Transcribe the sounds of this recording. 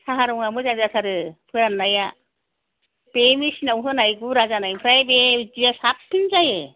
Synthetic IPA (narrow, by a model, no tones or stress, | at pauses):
saɦaɾɔŋamɯzazasaɾɯpʰɯɾanːaja | b̥emisinawɦɯnajɡuɾazanajpʰɯɾajbed͡ʒijasap̚tʰɯnzaje